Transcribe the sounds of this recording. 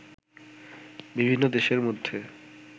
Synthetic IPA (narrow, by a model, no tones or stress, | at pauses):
bibʱinːod̪eʃeɾmod̪ʱːe